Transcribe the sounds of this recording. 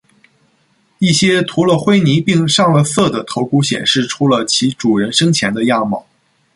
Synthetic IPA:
i˥˩ɕjɛ˥t̪ʰu˧˥lə˧xwe˥ɪni˧˥pi˥˧ŋʂɑ˥˩ŋlə˧sɤ˥˩d̪ə˩t̪ʰo˧˥ʊku˥ɕjɛ̰˨˩nʂɻ̩˥˩ʈ͡ʂʰu˥lə˧t͡ɕʰi˧˥ʈ͡ʂu˨˩ɻə˧˥nʂɤ˥ŋt͡ɕʰjɛ˧˥nd̪ə˧ja˥˩mɑ̰˨˩˦

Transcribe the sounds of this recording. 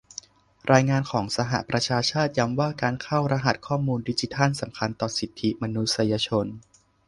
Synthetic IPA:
ɾʔaː˧jŋaː˧nkʰɔː˩˦ŋsa˧ɦa̰˨˩ʔpɾa˧t͡ɕʰaː˧t͡ɕʰaː˥˩t̪̚ja˧˥mwaː˥˩kaː˧nkʰa˥˩wɾa˧ɦa˨˩t̪̚kʰɔː˥˩muː˧ndi˦˥t͡ɕi˧˦t̪ʰa˥˩nsa˩˦mkʰa˧nt̪ɔː˨˩si˨˩t̪ʰːi˦˥ma˧nu˦˥t̪̚sa˧ja˧t͡ɕʰo˧n

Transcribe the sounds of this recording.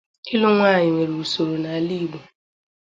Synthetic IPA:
ɪ˦lʊ˦ŋʷaː˦˨ɲɪ˨ŋʷe˨ɾu˨u˨so˨ɾo˨na˨a˨li˦ɡ͡bu˨

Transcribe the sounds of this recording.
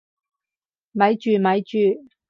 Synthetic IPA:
mɐ˨˥jt͡ʃyː˨mɐ˨˥jt͡ʃyː˨

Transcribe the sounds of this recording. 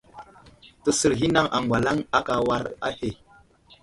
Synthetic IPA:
tə˨sə˨ɾɦi˦na˦ŋʔa̰˨ŋɡʷa˨la˦ŋa˦ka˨wa˦ɾa̰˦he˨

